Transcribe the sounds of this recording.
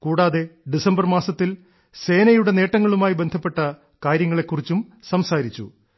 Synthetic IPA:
kuːɽaːðe̞ɖisɐmbɐrmaːsɐt̪ːil | se̞ːnɐjuɽe̞ne̞ːʈːɐŋːɐɭumaːjibe̞nd̪ʱɐpːe̞ʈːɐ | kaːɾjɐŋːɐɭe̞kːurit͡ɕːumsɐmsaːɾit͡ɕːṵ

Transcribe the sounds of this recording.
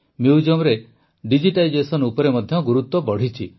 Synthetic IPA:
mjuwd͡ʒɔmɾe | ɖid͡ʒiʈaid͡ʒesɔnupɔɾemɔd̪ʱjɔɡuɾut̪wɔbɔɽ̤it͡ʃʰi

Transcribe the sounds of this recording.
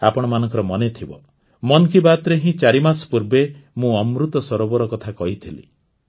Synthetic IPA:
a̰pɔɽ̃ɔmanɔ̃ŋkɔɾɔmɔnet̪ʰibɔ | mɔnkibat̪ɾeɦĩt͡ʃaɾimaspuɾbemũɔmɾut̪ɔsɔɾobɔɾɔkɔt̪ʰakɔɦit̪ʰilḭ

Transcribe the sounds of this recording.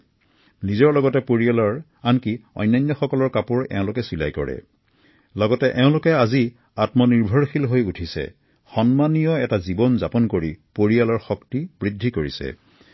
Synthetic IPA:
nizɔɹlɔɡɔtɛpoɹialɔɹ | ankiɔ̰jnːajnːɔxɔkɔlɔɹkapuɹɛ̰ʊ̃lʊkɛsila̰jkɔ̰ɹɛ̰ | lɔɡɔtɛʔɛʊ̃lʊkɛazi | atmɔniɹbʱɔɹxilɦojutʰisɛ̰ | xɔnmanijɔɛtazibɔnzapɔnkoɹipoɹialɔɹxɔktibɹidʱːikoɹisɛ̰

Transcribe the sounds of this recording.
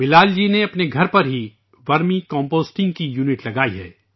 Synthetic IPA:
bɪlaːld͡ʒiːneɐpneɡʱɐɾpɐɾɦi | ʋɐɾmĩkɔ̃ːmpoːsʈɪ̃ŋɡkijuːnɪʈlɐɡaːiɦɛ̰ː

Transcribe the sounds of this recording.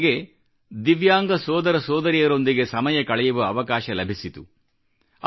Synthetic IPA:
ɡe̞ | d̪iʋjaːŋɡɐsɔːd̪ɐɾɐsɔːd̪ɐɾijɐɾo̞nd̪iɡe̞sɐmɐjɐkɐɭɛjuʋɐɐʋɐkaːʃɐlɐbʱisit̪u

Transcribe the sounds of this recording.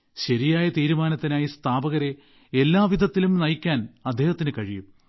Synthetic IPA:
ɕɐɾijaːjɐt̪iːɾumaːnɐt̪ːinaːjist̪ʰaːbɐɣɐɾe | elːaːʋid̪ʱɐt̪ːilumnɐjkʲːaːnɐd̪ʱːeːhɐt̪ːinɨkɐɻijum

